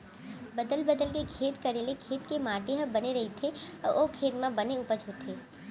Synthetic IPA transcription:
bəd̪əlbəd̪əlk̬ekʰeːt̪kɐɾeːlekʰeːt̪kemaːʈeɦəbɐneɾɐɦit̪ʰeɔʔoːkʰeːt̪mãbɐneʊpəd͡ʒʱɦoːt̪ʰeː

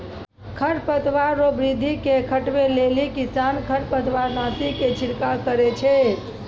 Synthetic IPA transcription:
kʰəɾpət̪ʋaɾːobɾid̪ʱːikekʰəʈbelelikisankʰəɾpət̪ʋaɾnasiket͡ʃʰiɾkakəɾɛt͡ʃʰɛ

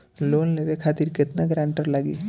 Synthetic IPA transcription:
loːnleʋekʰaːt̪iɾkɪt̪naɡɾãːɳʈəɾlaɡḭː

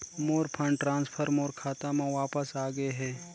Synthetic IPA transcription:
moːɾpʰə̃ɳʈɾãːnspʰəɾmoːɾkʰaːt̪amãʋaːpəsaːɡəeɦɛː

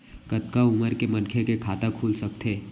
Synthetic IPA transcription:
kɐt̪kaʊməɾkemɐnkʰekekʰaːt̪akʰuːlsɐk̚t̪ʰeː

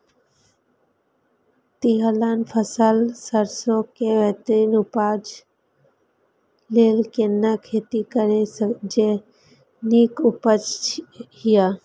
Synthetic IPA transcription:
t̪iɦəlanpʰəsəlsəɾsokeʋɛɦt̪ɾiːnupaːd͡ʒ | leːlkenəkʰeːt̪ikəɾesəkd͡ʒe | nikupət͡ʃhija

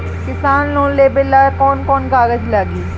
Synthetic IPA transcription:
kɪsaːnlõːleːbɪlakɔːnkɔːnkaːɡəd͡ʒlaːɡiː

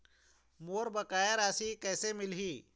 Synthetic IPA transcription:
moːɾbəkaːjeɾaːsikɛːsemɪlɦiː

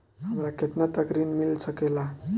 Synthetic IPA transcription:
ɦəmɾaket̪nat̪əkɾinmilsəkela

